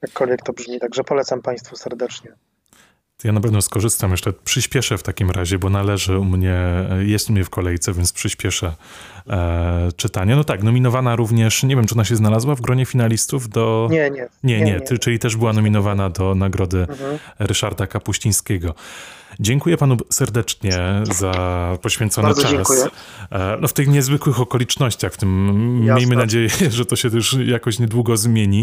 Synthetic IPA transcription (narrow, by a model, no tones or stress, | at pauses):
jakʰːɔlvʲjɛk̚t̪ɔbʐmʲit̪aɡʐɛpɔlɛt̪sampaj̃st̪fusɛɾd̪ɛt͡ʂɲɛ | janapɛvnɔskɔʐɘst̪amjɛʂlɛpʂɘɕpʲjɛʂɛft̪akʲimɾaʑɛbɔnalɛʐɘumɲɛjɛst̪umɲɛfkʰɔlɛjt̪sɛvʲjɛnt̪spʂɘɕpʲjɛʂɛ | t͡ʂɘt̪aɲɛnɔt̪aknɔmʲinɔvanaɾuvɲɛʂɲɛvʲjɛmt͡ʂɨɔnaɕ̬ɛznalazwavɡɾɔɲɛfʲinalʲist̪uvd̪ɔɲɛɛɲɛɲɛt͡ʂɘlʲit̪ɛʐbɘwanɔmʲinɔvanad̪ɔnaɡɾɔd̪ɘɾɘʂaɾd̪akapuɕĩj̃skʲeɡɔd͡ʑɛŋkujɛpanusɛɾd̪ɛt͡ʂɲɛzapɔɕfʲjɛnt̪sɔnɨt͡ʂas | nɔft̪ɘxɲɛzvɘkwɘxɔkɔlʲit͡ʂnɔɕt͡ɕaxft̪ɘmːʲjejmɘnad͡ʑejɛʐɛt̪ɔɕɛt̪uʂjakɔɕɲɛd̪wuɡɔzmʲjeɲi